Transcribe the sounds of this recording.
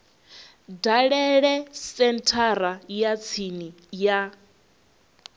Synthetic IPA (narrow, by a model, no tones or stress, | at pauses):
daɺɛɺɛsɛntʰaɾajat͡sʰini | ja